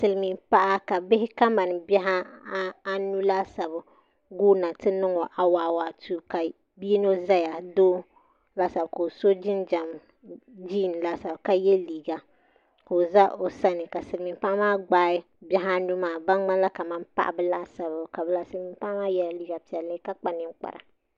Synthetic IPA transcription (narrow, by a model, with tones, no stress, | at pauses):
sɨ˨lmi˨mpa˦ʔa˦ka˨bɪ˦hɪ˦ka˦ma˨n˨bɛ˦ɦa˦a˦nu˦la˦sa˨bʊ˨ | ɡuː˦na˨tɨ˦nɨ˦ŋɔ˨ʔa˨waː˨wa˨tʰu˦ka˨ | bi˦no˦za˦ja˨doː˦ | la˦sa˨bko˨so˦d͡ʒɪ˦nd͡ʒa˨m | d͡ʒiː˦˨n˨la˦sa˨bka˨jɛ˦liː˨ɡa˨ | ko˨za˦ʔo˨sa˦nɨ˨ka˨sɨ˨ɾmi˨mpa˦maː˦ɡ͡baː˦ɪ˦ | bʲɛ˦ɦa˦nu˦maː˨ba˦n˦ŋ͡ma˦nla˦ka˨ma˦n˦pa̰˦ʔbɨ˦la˦sa˨βʊ˨ka˨bɨ˦la˦sɨ˦ɾmi˨m˦pa˦ʔmaː˦jɛ˦lliː˦ɡa˨pi˨ɛ˨lːɨ˦ka˦k͡pa˨nɨ˦ŋ͡mk͡pa̰˨ɾa̰˨